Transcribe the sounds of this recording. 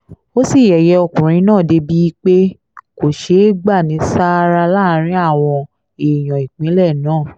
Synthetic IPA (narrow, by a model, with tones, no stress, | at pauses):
o˦si˦˨jɛ˨jɛ˧ɔ˧kũ˨ɾ̃ĩ˧˦nãː˦˨de˧bi˦k͡pe˦ | ko˨ʃe˨˦ɡ͡ba˦˨nĩ˨˦sa˦ɾa˧la˦˨˦ɾ̃ĩ˦a˦˨w̃ɔ̃˧ | e˨j̃ɔ̃˨i˨k͡pĩ˨˦lɛ˦˨nãː˦˨